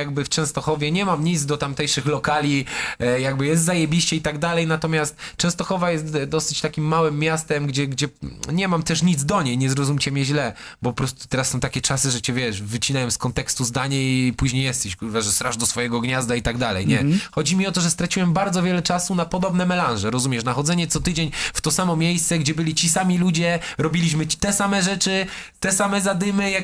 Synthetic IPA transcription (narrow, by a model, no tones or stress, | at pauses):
jaɡbɘft͡ʂɛ̃w̃st̪ɔxɔvʲjɛɲɛmamɲid̪zd̪ɔt̪amt̪ɛjʂɘxlɔkalʲijaɡ̚bɘjɛst̪zajɛbʲiɕt͡ɕɛit̪aɡd̪alɛjnat̪ɔmʲjast̪t͡ʂɛ̃st̪ɔxɔvajɛst̪d̪ɔsɘ̥t͡ɕt̪akʲimːawɘmːʲjast̪ɛmɡd͡ʑɛɡd͡ʑɛɲɛmamt̪ɛʂɲid̪zd̪ɔɲejɲɛzɾɔzumʲt͡ɕɛmʲjɛʑlɛbɔpɔpɾɔst̪u̥t̪ɛɾasːɔ̃w̃t̪akʲɛt͡ʂasɘʐɛt͡ɕɛvʲjɛʂvɘt͡ɕinajɔ̃mskɔnt̪ɛkst̪uzd̪aɲaipuʑɲejɛst̪ɛɕkuvaʐɛst̪ɾaʐd̪ɔsfɔjɛɡɔɡɲazd̪ait̪aɡ̚d̪alɛ̰jɲɛxɔd͡ʑimʲiɔt̪̬ɔʐɛst̪ɾat͡ɕiwɛmbaɾd̪zɔvʲjɛlɛt͡ʂasunapɔd̪ɔbnɛmɛlanʐɛɾɔzumʲɛʂnaxɔd̪zɛɲɛt̪sɔt̪ɘd͡ʑeɲft̪ɔsamɔmʲjejst̪sɛɡd͡ʑɛbɘlʲit͡ɕisamʲilud͡ʑɛɾɔbʲilʲiɕ̬mɘt͡ɕi̥t̪ɛsamɛʐɛt͡ʂɘt̪ɛsamɛzad̪ɘmɘja